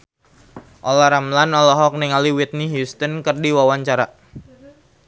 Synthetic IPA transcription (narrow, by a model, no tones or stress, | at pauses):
ʔɔlaɾamlanɔlɔɦɔk̚nɛŋaliwit̪̚niɦjust̪ənkərdiwawaɲt͡ʃaɾa